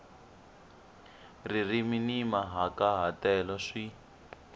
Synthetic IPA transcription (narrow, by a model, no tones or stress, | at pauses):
ririminimaɦakaɦatɛlɔʂi